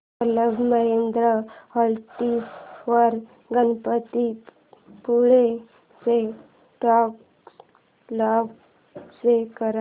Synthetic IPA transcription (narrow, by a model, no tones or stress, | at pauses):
ələbmaend̪ɾəhəlt̪isʋəɾ | ɡənpət̪i | puɭe | se | ʈɔk | lɔk | sekəɾa